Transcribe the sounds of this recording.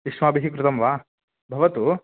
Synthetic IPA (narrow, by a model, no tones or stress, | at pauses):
iʃmaːbiɦikɾut̪ɐmʋaː | bʱɐʋɐt̪u